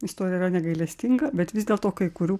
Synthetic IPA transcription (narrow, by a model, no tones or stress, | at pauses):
ɪst̪oːɾʲjɛiɾɐnʲɛɡɐɪlʲɛsʲt̪ʲɪŋɡɐbʲɛt̪ʋʲɪzd̪ʲeːlˠt̪oːkɐɪkʊɾʲuː